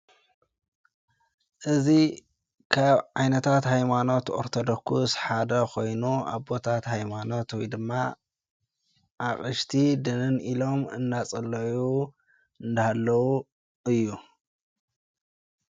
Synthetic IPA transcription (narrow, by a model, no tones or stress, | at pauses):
ʔɨzi | kʰaβʕajnɐt̪ʰat̪ɦajmano̞t̪oɾt̪ʰod̪okʰusħad̪ɐkʰo̞jnua̰βbo̞t̪ʰat̪hajmano̞t̪wɔjd̪ɨmːa | ʔaχʼɨʃt̪ʰid̪ɨnɨnilo̞mɨ̰nːat͡sʼɐlːɐju | ɨnd̪ahalːɐwu | ɨjːu